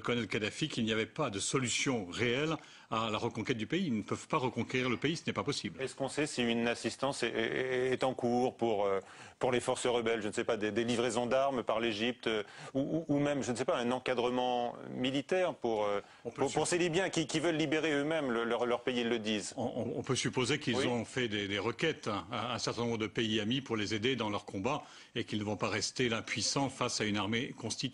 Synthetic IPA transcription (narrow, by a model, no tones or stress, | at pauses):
əkɔnɛlkad̪afikʲilnijavɛpad̪əsɔlysjɔ̃ʁeɛl | alaʁəkɔ̃kʲɛt̪̚d̪ypeilnəpœvpaʁəkɔ̃keʁiʁləpeisənɛpapɔsiblɛskɔ̃sɛsiynasist̪ɑ̃sɛːt̪ɑ̃kuʁpuʁø | puʁlefɔʁsəʁəbɛlʒənsɛpad̪ed̪elivʁezɔ̃d̪aʁmpaʁleʒip̚t̪øuʔːmɛmʒənsɛpaɛ̃nɑ̃kad̪ʁəmɑ̰̃milit̪ɛʁpuʁø | ɔ̃pʁpuʁselibjɛ̃kʲikʲivœlːibeʁeømɛmləlʁlœʁpeiilːəd̪iːzɔ̃ɔ̰̃ɔ̰̃pøsypozekilzɔ̃fɛd̪ed̪eʁəkʲɛt̪aɛ̃sɛʁt̪ɛnɔ̃bʁəd̪əpeiamipuʁlezed̪ed̪ɑ̃lœʁkɔ̃ba | ekilnəvɔ̃paʁɛst̪elapɥisɑ̃fasaynaʁmekɔ̃st̪it̪